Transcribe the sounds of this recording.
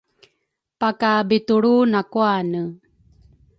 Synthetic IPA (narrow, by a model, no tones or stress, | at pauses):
pakabituɭunakuanə